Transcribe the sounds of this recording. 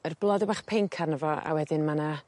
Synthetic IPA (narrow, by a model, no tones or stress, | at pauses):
ərblˠɔdɛbaχpʰeŋkʰarnəvɔa̰wɛdɪnmana